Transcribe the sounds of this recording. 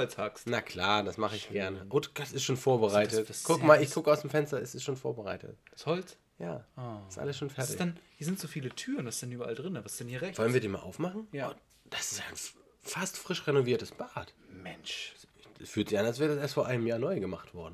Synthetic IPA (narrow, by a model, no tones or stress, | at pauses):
lt͡shaksnakʰl̥aːd̥asmaχəɪçɡ̥ɛɐɐnəʔʊtd̥asɪstʃoːnfoːɐbəʁaɪtətɡ̥ʊkmaːlɪçɡ̥ʰʊkəaʊsd̥eːmfɛnstɐɛsɪstʃoːnfoːɐbəʁa̰ɪtʰə̰td̥ashɔlt͡s | ja̰ːɪstʔa̰ləsʃoːnfɛɐtsɪçdɛnhiɐzɪntz̥oːfiːlətʰyːʁənvasɪsd̥ɛnyːbɐʔa̰ldʁɪnəvasɪ̥sdɛnhiːɐʁɛvɔlənviːɐdeːnmaːlʔa̰ʊfmaχn̩ʊ | d̥asɪ̥stan | fastfʁ̥ɪʃʁenoviːɐtəsb̥aːt | mɛnʃɪɛsfyːɐtzɪçanalsv̥ɛːɐədasʔeːɐstfoɐʔaɪnəmjaːɐnɔʏɡəmaχtv̥ɔɐdn̩